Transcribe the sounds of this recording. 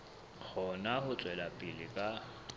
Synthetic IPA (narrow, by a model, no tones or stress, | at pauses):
k͡xʰɔnahʊt͡sʼwɛlapʼɪlɪkʼa